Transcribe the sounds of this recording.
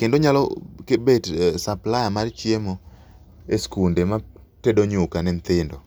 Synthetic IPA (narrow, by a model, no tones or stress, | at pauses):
kendoɲalɔ̰kebetsaplajamart͡ʃjemo | eskundema | tedoɲʊkanɛnt̪ɪndɔ